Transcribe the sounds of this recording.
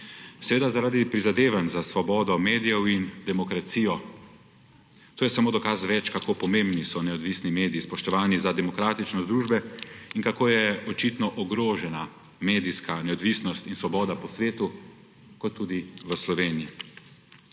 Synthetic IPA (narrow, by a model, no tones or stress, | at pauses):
sɛʋeːd̪azaɾaːd̪ipɾizad̪eːʋanzasʋɔbɔːd̪ɔmeːd̪ijɛwind̪ɛmɔkɾat̪siːjɔ | t̪oːjɛsamoːd̪ɔkazʋɛt͡ʃkakoːpɔmẽmbnisɔnɛɔd̪ʋisnimeːd̪iːspɔʃt̪ɔʋaːnizad̪ɛmɔkɾaːt̪it͡ʃnɔzd̪ɾuːʒbɛinkakoːjɛɔt͡ʃit̪nɔʔɔɡɾoːʒɛna | meːd̪iskanɛɔd̪ʋisnɔst̪insʋɔbɔːd̪apɔsʋeːt̪u | kɔt̪ːuːd̪iʋəslɔʋeːnii